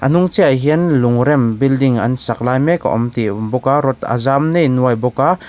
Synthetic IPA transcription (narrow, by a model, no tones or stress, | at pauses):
ʔanuŋt͡seajɦiənlʊŋɾɛmbildiŋɐ̰nsaklaːjmeka̰ʔɔ̰mt̪ibɔkaɾɔt̪a̰zamnejnuajbɔka